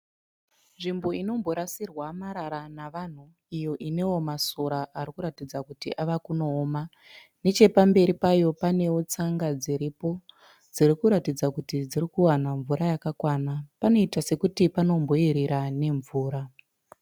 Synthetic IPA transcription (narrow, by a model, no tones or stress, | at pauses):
nʐimbo̞ino̞mbo̞ɾasirwamaɾaɾanaʋan̤u | ijo̞ʔine̞wo̞masoɾaʔaɾikuɾatid͡zakutiʔaʋakuno̞ːma | ne̞t͡ʃe̞pambe̞ɾipajo̞pane̞wo̞t͡saŋɡad͡ziɾipo̞ | d͡zirikuɾatid͡zakutid͡zirikuwanaɱvuɾajakakwanapano̞itase̞kutipano̞mbo̞iɾiɾane̞ɱvuːɾa